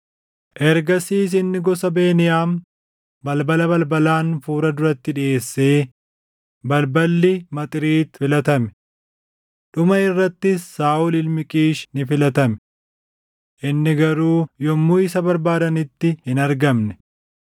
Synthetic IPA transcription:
ʔɛɾɡɐsiːs̬ɪnːɪɡɔsɐbe̞ːnɪjaːm | bɐlbɐlɐbɐlbɐlaːnfuːɾɐd̪ʊɾɐt̪ːɪᶑɪʔeːsːe̞ː | bɐlbɐlːɪmɐt̪ʼɪɾiːt̪fɪlɐt̪ɐmɛ̥ | ɗʊmɐɪrːɐt̪ːɪsːaːʔʊlɪlmɪkʼiːʃnɪfɪlɐt̪ɐmɛ̥ | ʔɪnːɪɡɐɾuːjɔmːuːɪsɐbɐɾbaːd̪ɐnɪt̪ːɪhɪnɐɾɡɐmnɛ̥

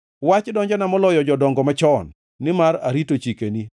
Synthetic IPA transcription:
wat͡ʃdɔɲd͡ʒanamɔlɔjɔd͡ʒɔdɔŋɡɔmat͡ʃɔnː | ɪmaɾa̰ɾitot͡ʃikeni

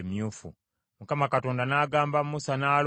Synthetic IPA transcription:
mjuːfṵ | mukamakato̞ːndanaːɡaːmbammusanaːl

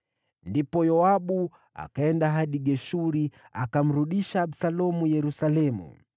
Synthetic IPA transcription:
ndipɔjɔaɓu | a̰kaɛndaɦaɗiɡɛʃuɾi | akam̩ɾuɗiʃaːɓsalɔmujɛɾusalɛmṵ

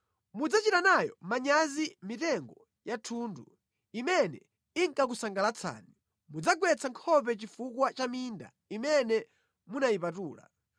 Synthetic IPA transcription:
mud͡zat͡ʃitanajɔ̰maɲazimitɛŋɡɔ | jatʰuːndu | imɛnɛ | iŋkak̬usaŋɡalat͡sʰa̰ːni | mud͡zaɡwɛt͡sʰaŋkʰɔp̬ɛt͡ʃifukwat͡ʃaminda̰ | imɛnɛ | munaipatuːla̰

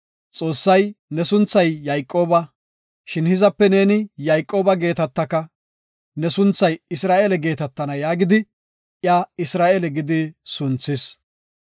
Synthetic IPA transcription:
t͡sʼo̞ːsːɐjnɛsʊnt͡sːɐjːɐjkʼːo̞ːbɐ | ʃɪnhɪzɐpːɛne̞ːnɪjɐjkʼːo̞ːbɐɡe̞ːt̪ɐt̪ːɐkːɐ | nɛsʊnt͡sːɐjɪsɾaːʔelɛɡe̞ːt̪ɐt̪ːɐnɐjaːɡɪd̪ɪ | ʔjaːɪsɾaːʔɛlɛɡɪd̪ɪsʊnt͡sːɪs

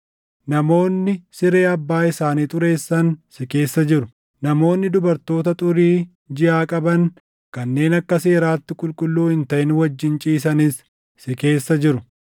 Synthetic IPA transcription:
nɐmo̞ːnːɪsɪɾe̞ːɐbːaːɪsaːniːt̪ʼʊɾe̞ːsːɐnsɪke̞ːsːɐd͡ʒɪɾʊ | nɐmo̞ːnːɪd̪ʊbɐɾt̪o̞ːt̪ɐt̪ʼʊɾiː | d͡ʒɪʔaːkʼɐbɐŋ | kɐnːe̞ːnɐkːɐse̞ːɾaːt̪ːɪkʼʊlkʼʊlːuːhɪnt̪ɐʔɪnwɐd͡ʒːɪnt͡ʃʼiːs̬ɐnisː | ɪke̞ːsːɐd͡ʒɪɾʊ

